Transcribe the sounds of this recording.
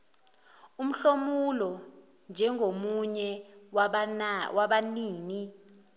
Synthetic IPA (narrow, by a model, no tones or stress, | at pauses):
um̩ɬomulɔ | nd͡ʒʱɛŋʱomuɲɛ | wʔaɓaniːni